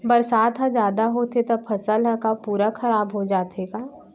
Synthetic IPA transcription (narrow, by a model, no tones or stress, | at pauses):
bɐɾsaːd̪ɦãd͡ʒjaːd̪aɦot̪et̪ɐbpʰɐsəlɦə̃kapuːɾakʰɐɾaːbɦod͡ʒaːt̪eɡaː